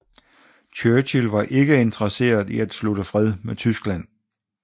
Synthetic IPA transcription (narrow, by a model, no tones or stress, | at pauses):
t͡ɕʰøːɕilʋɑ̈ʔe̝ɡ̥əe̝nd̥ʰʁɐse̝̰ːɐðˠiæd̥sluɾəfʁɛð̞ˠmet͡sʰysɡ̥læn̰